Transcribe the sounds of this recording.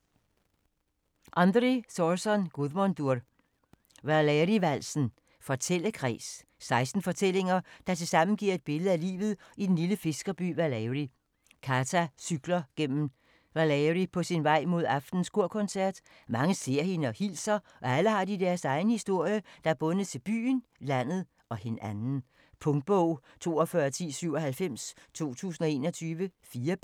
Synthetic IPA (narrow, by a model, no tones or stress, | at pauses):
ʔɑnd̥ʁisɒsɒnɡ̥uðˠmond̥uɐ̰d | ʋælɛʁiʋæl̰sn̩ | fɒ̽t͡sʰel̰əkʰʁɛ̰ːs | sɑ̈ɪsd̥n̩fɒ̽t͡sʰel̰e̝ŋɐd̥ɑ̈t͡sʰe̝lsɑ̈m̰n̩ɡ̥iɐ̰e̝d̥̚b̥e̝lð̩ˠælḭːʋð̩ˠid̥en̩liləfe̝sɡ̥ɐb̥y̰ːʋælɛʁi | kʰæt͡sʰæsyɡ̥lɐɡ̥en̰m̩ | ʋælɛʁipʰɒ̽sinʋɑ̈ɪ̰mo̝ð̞̰ˠɑ̈fd̥n̩skʰo̝ɐ̰kʰɔ̽nsæɐ̰d̥ | mɑ̈ŋəse̝ɐ̰he̝nəɒ̽hilsɐ | ʔɒ̽æləhɑ̈d̥id̥æɐsɑ̈ɪnəhisd̥o̝ɐ̰jəd̥ɑ̈æɐb̥ɔ̽nð̩ˠt͡sʰe̝b̥y̰ːn̩læn̰ð̞̩ˠ | ɒ̽henænn̩ | pʰɔ̽ŋd̥̚b̥ɔʊ̰t͡sʰo̝̰ːɒfɶɐt͡sʰḭːsyʊɒ̽hælfem̰st͡sʰo̝̰ːt͡sʰṵːsn̩ɒ̽e̝̰ːnɒ̽t͡sʰyːʋəfiːɐ